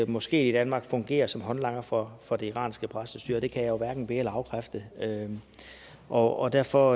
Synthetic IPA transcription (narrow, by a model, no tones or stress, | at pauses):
mɒ̽sɡ̥e̝̰ːid̥ænmɑ̈ːɡ̥fɔ̽ŋɡ̥e̝̰ːɐsɒ̽mɦɒ̽nlɑ̈ŋ̰ɐfɒfɒ̽d̥e̝iʁɑ̰̈ːnsɡ̥əpʰʁasəsd̥y̰ːɐd̥e̝kʰæjajo̝ʋæɐɡ̥n̩b̥e̝ːɐlɑ̈ʊkʰʁafd̥əø | ʔɒɒ̽d̥æɐfɒ̽